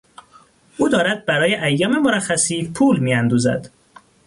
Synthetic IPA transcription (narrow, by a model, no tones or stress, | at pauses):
ʔuːd̪ɒːɾæd̪̚bæɾɒːje̞ʔæjːɒːme̞moɾæxːæsiːpʰuːlmiːænd̪uːzæ̰d̪̥